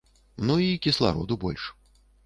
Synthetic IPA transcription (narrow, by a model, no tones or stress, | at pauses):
nuikʲislˠa̰ɾɔ̰d̪ubɔlʲʂ